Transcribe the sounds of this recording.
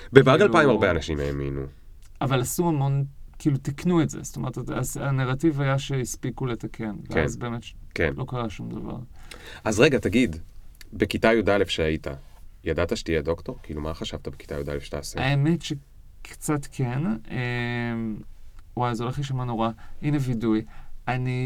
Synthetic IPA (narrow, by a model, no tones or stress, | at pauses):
bevaɡalpajimaʁbeanaʃimḛamḭnṵ | avalasuhamo̞nkiilutiknuetzestome̞ʁtatasaneʁativajaʃeispikuletakʰe̞nveanzbe̞metkenlʔo̞kaʁaʃumdɐva̰ʁazʁeɡat̪aɡidbekitajodalefʃeait̪ʰa̰jadat̪aʃe̥t̪ijed̪o̞kt̪oʁkilumaχaʃavt̪abeki̥t̪ajod̪a̰lefʃe̥ta̰ːseaeme̞tʃe | kʰt͡satkʰe̞nem | wajzo̞leχliʃamano̞ʁaʔinevidujani